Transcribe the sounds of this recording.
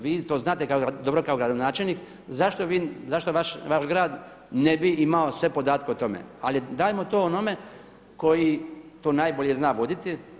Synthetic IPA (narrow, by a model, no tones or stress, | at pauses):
ʋiːt̪o̞ːznaːt̪ekaod̪obɾokaoɡɾad̪onaːt͡ʃelniːk | zaʃt̪oʋiːzaʃt̪o̞ʋaʃʋaʃɡɾaːd̪ | nebiimaosʋe̞po̞d̪aːt̪keot̪o̞mḛalid̪aːjemot̪oːonome̞ | ko̞jit̪oːnaːjboʎeznaːʋo̞d̪it̪i